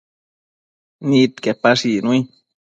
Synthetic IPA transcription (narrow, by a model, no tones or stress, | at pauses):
nit̪kepaʂinui